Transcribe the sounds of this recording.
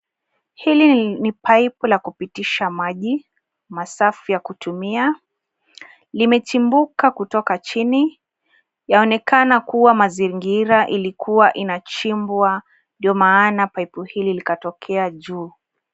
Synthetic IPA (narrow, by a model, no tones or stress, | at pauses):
hilinipaipulakupitiʃamaʄi | masafijakutumia | limɛt͡ʃimbukakutɔkat͡ʃini | jaɔnɛkanakuwamaziŋɡiɾaʔilikuwaʔinat͡ʃimbwa | ndiɔmaːnapaipuhililikatɔkʰɛaʄuː